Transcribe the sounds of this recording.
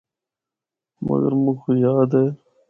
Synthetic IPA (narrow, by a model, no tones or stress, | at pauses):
mɐ̰ɡə̰ɾmuxojaːd̪eː